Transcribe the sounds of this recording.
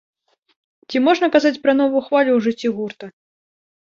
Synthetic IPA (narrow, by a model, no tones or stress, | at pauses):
t͡sʲimɔʐnɐkazat͡sʲpɾɐnɔvujuxvalʲuwʐɨt͡sʲːiɣurt̪ɐ